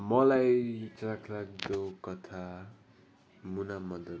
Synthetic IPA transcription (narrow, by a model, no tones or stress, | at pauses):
mʌlajt͡sakʰlak̚d̪okʌt̪ʰa | munamʌd̪ʌ